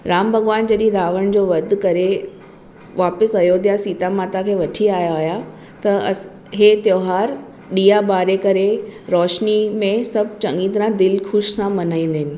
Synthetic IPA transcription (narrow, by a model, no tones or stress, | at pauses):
ɾaːmbʱɐɣʋaːnd͡ʑɐɗĩɾaːʋəɽ̃d͡ʑoːʋɐd̪ʱkɐɾe | ʋaːpɪsɐjot̪ʰijasiːt̪amaːt̪akʰeːʋɐʈʰiaːjaaːɦja | t̪ɐ | ɦeːt̪joːɦaːɾ | ɗiːabaːɾekɐɾeɾɔːʃnimẽsɐbʱt͡ɕɐ̃ŋĩt̪ɾãd̪ɪlkʰʊʃsãmɐnaːĩːnd̪enɪ̆